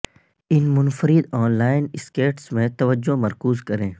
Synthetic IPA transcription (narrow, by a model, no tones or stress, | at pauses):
ɪnmʊnfəɾɪd̪ɔːnlaːɪnɪskeːʈsmẽt̪ɐʋəd͡ʒːomɐɾkuːzkɐɾẽː